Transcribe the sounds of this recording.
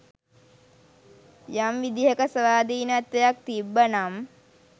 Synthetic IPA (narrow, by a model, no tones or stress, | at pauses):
jamʋid̪iɦəkəsəʋaːd̪iːnəat̪ːəjak̚t̪ibːənam